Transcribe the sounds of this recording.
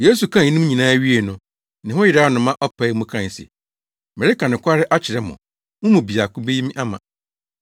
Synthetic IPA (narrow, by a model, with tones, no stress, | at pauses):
je˦s̬u˨kʰã˦˨˦nũ˦m˦ɲĩ˨nãː˦ɥi˦e˨nʊ̃˨ | nɪ̃˨ɦʊ̃˦jɪ˨da˦nʊ̃˨mã˦ʔɔ˦pʰɛ˨˦mʊ̃˦kʰã˦˨n˨sḛ˨ | mɛ˨ɾi˦ka˨nʊ̃˨kʷʰa˦ɾɪ˦ʔa˦t͡ɕʰɪ˨ɾɛ˦mʊ̰̃˨ | mʊ̃˦mũ˨bi˨a˨kʊ̃˦be˦ji˦mĩ˦ʔa˦mã˨